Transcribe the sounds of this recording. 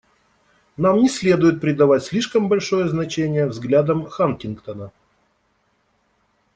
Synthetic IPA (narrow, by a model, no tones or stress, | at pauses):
namnʲɪsʲlʲe̞d̪ʊjɪt̪̚pɾʲɪd̪ɐvatʲsʲlʲiʂkəmbɐlʲʂo̞jəznɐt͡ɕenʲɪjəvzɡlʲad̪əmxankʲɪnkt̪ənə